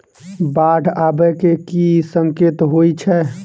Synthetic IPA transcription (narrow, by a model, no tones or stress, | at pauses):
baɖʱabɛkekisəŋket̪ɦojt͡ʃʰɛ